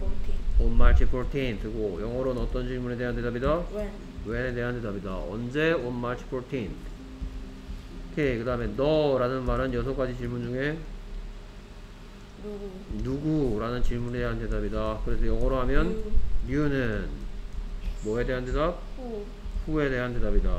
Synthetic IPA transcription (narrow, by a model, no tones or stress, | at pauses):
onmaɭtʰipʰɾotʰentʰɯɡojʌŋʌɾonʌt͈ʌnt͡ɕiɭmune̞de̞ɦant̬e̞dabida | wenede̞ɦantʰe̞dabidaʌ̰nd͡ʑe̞onmaɭtʰi̥pʰotʰentʰ | kʰekɯdaɦɯme̞nʌɾanɯnmaɾɯnjʌsʰʌk͈ad͡ʑit͡ɕiɭmund͡ʑuŋe̞ | nuɡuɾanɯnt͡ɕiɭmunedeɦantedabidakɯɾe̞sʰʌjʌŋwʌɾoɦamjʌniunɯn | mʌe̞de̞ɦantʰe̞dap̚ | ɸue̞de̞ɦante̞dabida